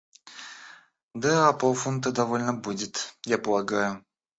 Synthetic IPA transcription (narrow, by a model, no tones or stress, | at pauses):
d̪aapolˠfunt̪əd̪ɐvolʲnəbudʲɪt̪japəlˠaɡajʊ